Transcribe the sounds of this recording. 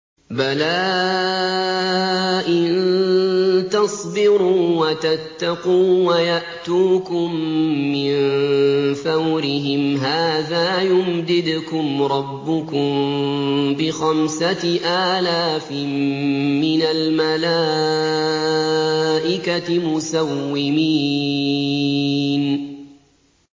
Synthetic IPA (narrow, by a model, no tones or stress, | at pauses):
balaː | ʔɪn | t̪ɑsˤbɪɾuːwat̪at̪ːɑquːwajaʔt̪uːkʊmːɪn | θawɾɪɦɪmɦaːðaːjʊmd̪ɪd̪ʊkʊmɾˤɑbːʊkʊm | bɪxamsaʔaːlaːf | mɪnalmalaː | ʔɪkamʊsawːɪmiː | n